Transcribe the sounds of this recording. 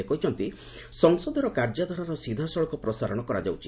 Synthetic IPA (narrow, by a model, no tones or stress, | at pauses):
ekɔɦit͡ʃʰɔnt̪i | sɔŋsɔd̪ɔɾɔkaɾd͡ʒad̪ʱɔɾaɾɔsid̪ʱasɔɭɔkɔpɾɔsaɾɔɽ̃ɔkɔɾa̰d͡ʒawt͡ʃʰi